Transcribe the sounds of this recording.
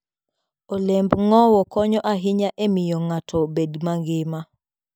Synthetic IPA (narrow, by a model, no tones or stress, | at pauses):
olembŋɔwɔkɔɲɔʔaɦɪɲaʔemɪjɔŋatʰɔbedmaŋɡɪma